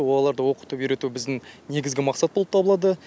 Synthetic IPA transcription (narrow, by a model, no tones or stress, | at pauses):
wolˠɑlˠɑɾd̪əwo̞qə̥t̪əpjiɾe̞t̪uɪbɪzd̪ɪŋne̞ɡʲɪzɡʲɪmɑqsɑt̪̚bolˠəp̚t̪ʰɑbəlˠɑd̪ə